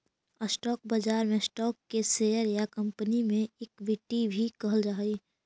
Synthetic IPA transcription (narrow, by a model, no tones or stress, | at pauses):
əsʈɔːk̚bəd͡ʒaːɾmẽsʈɔːkːeseːjəɾjakɐ̃mpənimẽɪkʋɪʈibʱikɐɦəld͡ʒaːiː